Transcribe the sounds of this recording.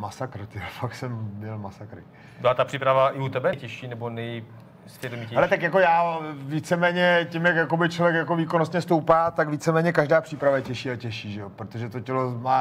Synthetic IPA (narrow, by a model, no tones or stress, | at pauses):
masakɾt̪ɪafak̪sɛmːɲɛlmasakɾɪ̰ | bɪlat̪apr̥iːpɾavaʔɪut̪ɛbɛjcɛʃiːnɛbonɛj | sɛdmiɛhalɛt̪akjako̞jaːviːt͡sɛmɛːɲɛcɪmjakjakobɪt͡ʃlovjɛkjakoviːkonost̪ɲɛst̪owpaːt̪akviːt͡sɛmɛːɲɛkaʒdaːpr̥iːpɾavajɛcɛʃiːacɛʃiːʒɛjopɾot̪o̞ʒɛt̪o̞cɛlo̞maː